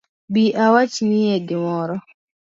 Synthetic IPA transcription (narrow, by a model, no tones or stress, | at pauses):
biʔawat͡ʃnɪedɪmɔɾɔ